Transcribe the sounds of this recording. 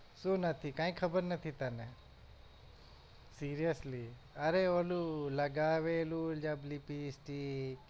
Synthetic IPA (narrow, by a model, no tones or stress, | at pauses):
sunɐt̪ʰikãːĩkʰɐbəɾnɐt̪ʰit̪anẽ | siːɾijəsli | ɐɾeolulɐɡaːʋeːlud͡ʒɐblipisʈi